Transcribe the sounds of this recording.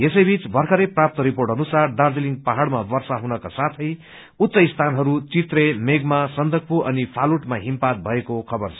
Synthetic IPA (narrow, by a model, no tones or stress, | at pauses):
esʌjbit͡sbʱʌrkʰʌɾeprap̚t̪ʌɾiporʈʌnusard̪ard̪eliŋɡ̚paɦaɽmabʌrsaɦunʌkasat̪ʰʌj | ut̪ːsʌist̪ʰanɦʌɾut͡sit̪remeɡmasʌnd̪ʱʌk̚puʔʌnipʰaluʈmaɦimpat̪̚bʱʌekokʰʌbʌrt͡sʰʌ